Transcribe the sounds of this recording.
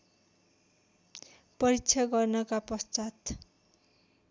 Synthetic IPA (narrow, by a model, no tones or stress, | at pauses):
pʌɾit͡sʰʌɡʌrnʌkapʌst͡sat̪